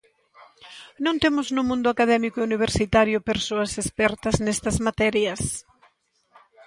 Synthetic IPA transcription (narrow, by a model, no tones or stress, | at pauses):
nõnt̪emʊznʊmũnd̪ʊakaðɛmikoeuniβ̞eɾsit̪aɾjʊpeɾsoɐsespɛɾt̪ɐznɛst̪ɐzmat̪ɛɾjɐs